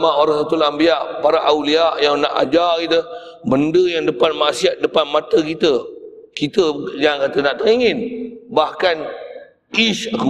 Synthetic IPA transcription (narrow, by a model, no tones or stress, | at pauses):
maʔoɾasat̪ulambiaʔpaɾaʔawliaʔjaŋnaʔa̰d͡ʒakit̪ə | bəndəjaŋdəpanmasiat̪̚dəpanmat̪əkit̪ə | kit̪əd͡ʒankat̪ənaʔt̪əɾiŋɪnbahkan | kisku